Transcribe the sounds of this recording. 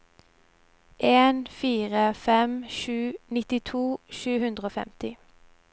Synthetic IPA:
ʔeːnfiːʁəfɛmʃʉːnɪt̪ɪt̪ʰuːʃʉːhʉnd̪ʁəoːfɛ̰mt̪ɪ

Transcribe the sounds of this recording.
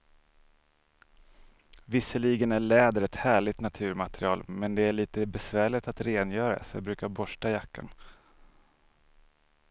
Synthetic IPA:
vɪsːəliːɡənæɭɛːd̪əɾɛt̪hæːɭɪt̪nat̪ʰʉ̟ːɾmat̪ɾɪɑ̰ːlmɛnd̪ɛæɭiːt̪əbɛsvæːɭɪt̪at̪ɾeːnjœːɾa̰sɔjɑ̰bɾʉ̟ːkaɾbɔʂʈajakːa̰n

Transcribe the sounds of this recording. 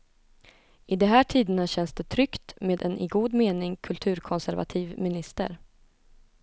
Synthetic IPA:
ʔɪd̪ɛɦæːʈʰiːd̪ənaɕɛnsd̪ɛt̪ʰɾʏkt̪meːd̪ɛnɪɡuːd̪meːnɪŋkʰɵlt̪ʰʉ̟ːɾkʰɔnsæɾva̰t̪ʰiːvmɪnɪst̪ə̰ɾ

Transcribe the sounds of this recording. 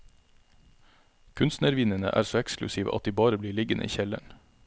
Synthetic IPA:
kʰʉnst̪nəɾʋɪnənə̰ʔæ̰ːɾsoːɛksklʉsiːʋə̰ʔɑt̪̚d̪iːbɑːɾəbliːɭɪɡənʔḭːçɛlə̰ɳ

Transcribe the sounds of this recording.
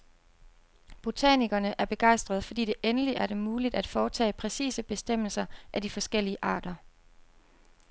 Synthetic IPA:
b̥o̝t͡sʰæ̰niɡ̥ɐnəʔæɐb̥e̝ɡ̥ɑ̈ɪ̰sd̥ʁɐðˠfɒ̽d̥ḭːd̥e̝ʔenəliʔæɐɾe̝muːlid̥æd̥fɒːt͡sʰɛ̰ːpʰʁɛsḭːsəb̥e̝sd̥em̰l̩sɐʔæd̥ifɒ̽sɡ̥el̰iəʔɑ̈ːɾ̥ɐ

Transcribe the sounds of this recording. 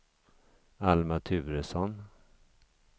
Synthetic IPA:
almat̪ʰʉ̟ːɾəsɔn

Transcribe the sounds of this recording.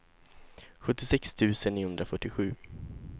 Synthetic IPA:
ɧɵt̪ːɪsɛkst̪ʰʉ̟ːsəniːhɵnd̪ɾafœʈːɪɧʉ̟ː

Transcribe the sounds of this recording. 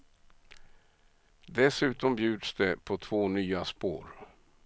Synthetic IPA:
d̪ɛsʉ̟ːt̪ɔmbjʉ̟ːd̪sd̪ɛpʰɔt̪ʰvoːnyːaspo̰ːɾ

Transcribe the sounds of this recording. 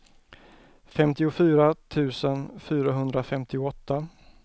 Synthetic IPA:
fɛmt̪ɪʊfyːɾat̪ʰʉ̟ːsənfyːɾaɦɵnd̪ɾafɛmt̪ɪʊɔt̪ːa

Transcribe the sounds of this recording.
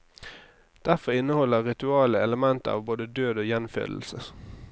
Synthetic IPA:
d̪̥æʁfɔʁɪnəhɔlːəʁʁɪt̪ʉɑːləɛləmɛnt̪ə̰ɑ̰ːʋboːd̪əd̪øːd̪oːjɛnfø̰ːd̪l̩sə

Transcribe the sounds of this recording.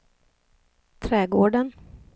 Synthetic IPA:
t̪ʰɾɛːɡoːɖən

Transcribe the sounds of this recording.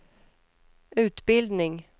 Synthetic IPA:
ʔʉ̟ːt̪bɪld̪nɪŋ

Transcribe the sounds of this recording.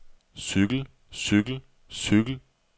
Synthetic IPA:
syɡ̥l̩ | syɡ̥l̩ | syɡ̥l̩

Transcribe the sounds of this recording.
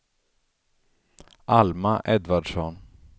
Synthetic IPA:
ʔalmaʔɛd̪vaɖʂɔn

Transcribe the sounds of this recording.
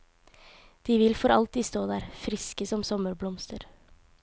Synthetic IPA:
d̪̥iːʋɪlfɔɾʔɑ̰lt̪iːst̪oːd̪æːɾfɾɪskəsɔmsɔməɾblɔmst̪əɾ

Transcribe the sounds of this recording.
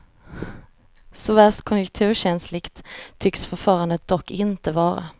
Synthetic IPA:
sɔvæst̪kʰʊnjɵk̚t̪ʰʉ̟ːɕɛnslɪɡt̪ʰːʏksfœɾfɑːɾand̪ət̪̚d̪ɔkːɪnt̪əvɑːɾa̰

